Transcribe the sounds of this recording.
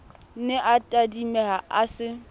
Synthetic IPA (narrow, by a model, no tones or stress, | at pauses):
nɪʔatʼadimɛhaʔasɪ